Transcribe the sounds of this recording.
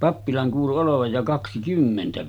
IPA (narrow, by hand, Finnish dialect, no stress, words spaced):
pɑpːilɑn kuːlu oloʋɑj jɑ kɑksikymːentæ